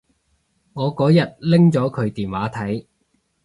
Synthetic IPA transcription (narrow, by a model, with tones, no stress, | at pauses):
ŋɔː˨˧kɔː˨˥jɐ˨t̚lɪ˥ŋt͡ʃɔː˨˥kʰɵ˨˧ɥt̪iː˨nwaː˨˥t̪ʰɐ˨˥j